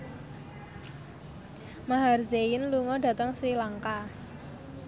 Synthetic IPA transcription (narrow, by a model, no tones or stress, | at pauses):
maɦarzeɪnluŋɔɖä̤t̪əŋsilaŋka